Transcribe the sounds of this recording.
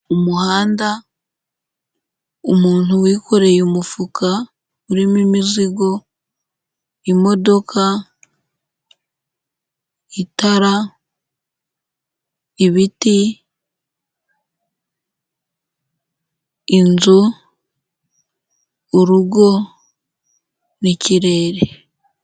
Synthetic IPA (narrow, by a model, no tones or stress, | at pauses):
umuhaːnda | umuːn̥uwiːkʰo̞ɾe̞jumufukʰa | uɾimimiziɡo̞ | imo̞do̞kʰa | itaɾa | iβiti | inzu | uɾuɡo̞ | niciɾe̞ːɾe